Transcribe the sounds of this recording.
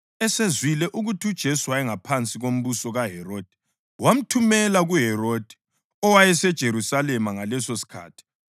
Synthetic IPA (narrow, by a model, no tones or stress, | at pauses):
ɛsezwilɛʔuɣutʰud̥ʒ̥ʱesuwaɛŋapʰant͡sʼiɣom̩βusɔɣaɦɛroːd̥ʱi̥ | wam̩tʰumɛlaɣuɦɛɾoːd̥ʱi̥ | ɔwajɛsɛd̥ʒ̥ʱeɾusalɛmaŋalɛsosi̥kʰa̰ːtʰi̥